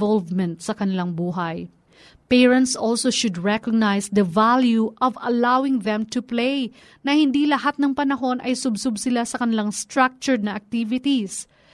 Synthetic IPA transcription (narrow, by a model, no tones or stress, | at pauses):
vɔlvmɛ̃nt̪sɐkɐnɪlaŋbuːɦɐj | pɛɹɐ̃nt̪sʔolsoʃʊd̪ɹɛkoɡ̚najsd̪ɐvaljuʔɐvɐlawɪŋðɛ̃mt̪ʊplej | nɐhɪnd̪ilɐhat̪̚nɐŋpɐnɐɦo̞nʔɐjsʊbsʊbsɪlasɐkɐnɪlaŋst̪ɹak̚t͡ʃʊɹd̪nɐʔɐk̚t̪ivɪt̪is